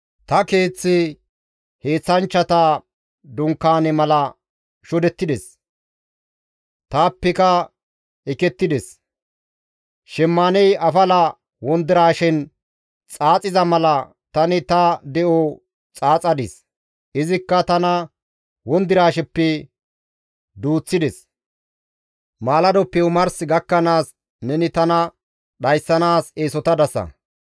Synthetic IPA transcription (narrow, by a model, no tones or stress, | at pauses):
t̪ɐke̞ːt͡sːɪ | he̞ːt͡sːɐnt͡ʃːɐt̪ɐ | d̪ʊŋkːaːnɛmɐlɐ | ʃɔd̪ɛt̪ːɪd̪ɛs | t̪aːpːɛkɐ | ɛkɛt̪ːɪd̪ɛs | ʃɛmːaːnɛjʔɐfɐlɐ | wɔnd̪ɪɾaːʃɪn | t͡sʼaːt͡sʼɪzɐmɐlɐ | t̪ɐnɪt̪ɐd̪ɛʔɔ | t͡sʼaːt͡sʼɐd̪ɪs | ʔɪzɪkːɐt̪ɐnɐ | wɔnd̪ɪɾaːʃɛpːɛ | d̪uːt͡sːɪd̪ɛs | maːlɐd̪ɔpːɛʊmɐɾsɡɐkːɐnaːs | nɛnɪt̪ɐnɐ | ɗɐjsːɐnaːseːsɔt̪ɐd̪ɐsɐ̰